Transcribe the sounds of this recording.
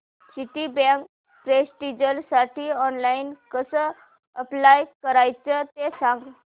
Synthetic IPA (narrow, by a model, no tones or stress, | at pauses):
siʈ̪ibãŋk | pɾesʈid͡ʑəlsaʈʰiːɔnlainkəsə | əplajkəɾajt͡sət̪esãŋɡ